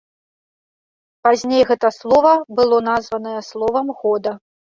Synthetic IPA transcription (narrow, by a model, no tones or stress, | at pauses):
pazʲnʲejɣɛt̪ɐslˠɔvɐbɨlˠɔnazvɐnɐjɐslˠɔvɐmɣɔd̪ɐ